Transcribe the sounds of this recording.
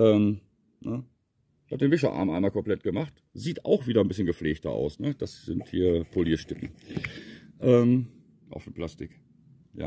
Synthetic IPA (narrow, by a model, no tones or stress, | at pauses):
ʔɛːm | nə | had̥eːnvɪʃaʔa̰ːɐmʔaːmakʰɔmplɛtɡ̥əmaχt | z̥iːta̰ʊxv̥iːdɐn̩bɪsçənɡəfleːçtɐ̰ʔa̰ʊsnəd̥asz̥ɪnthḭːɐpʰoliːɐʃtɪk̩ | ʔɛːm | ʔa̰ʊfnpl̥astɪk | ja̰ː